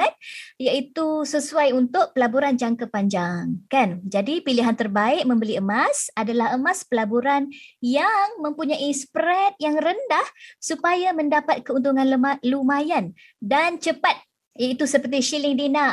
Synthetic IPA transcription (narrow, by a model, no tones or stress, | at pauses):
ɛt̪̚jait̪usəsuajunt̪ʊʔ̚pəlabuɾand͡ʒaŋkapaɲd͡ʒaŋkand͡ʒadipiliɦant̪ərbaɪk̚mə̃mbəliəmasadalaɦəmaspəlabuɾanjaŋmə̃mpuɲaʔispɾɛt̪̚jaŋrəndahsupajamə̃ndapat̪̚kəunt̪uŋãnlumajan | dant͡ʃəpat̪̚ | jait̪usəpərt̪̬iʃilɪŋdina